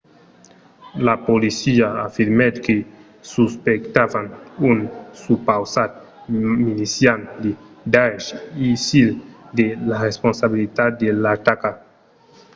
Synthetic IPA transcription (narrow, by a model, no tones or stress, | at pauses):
lapolisiaafiɾmed̪ke | suspekt̪avanunsupawsat̪̚ | milisjand̪e | d̪aʃisild̪elaresponsaβilit̪at̪̚d̪elat̪aka